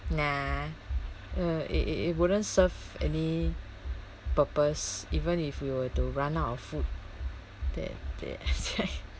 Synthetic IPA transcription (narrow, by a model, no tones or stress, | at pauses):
na | əḭʔḭḭwudə̃nsəv | ɛ̰ni | pəpəsivə̃nifwiwətuɹãnatɔfut̚ | d̥ɛ̰̃dɛ̰asa